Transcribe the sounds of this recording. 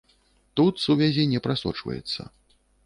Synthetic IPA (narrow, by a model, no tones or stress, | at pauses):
t̪ut̪suvʲazʲinʲɛpɾasɔ̰t͡ʂvɐ̰jɛ̰t̪sːɐ̰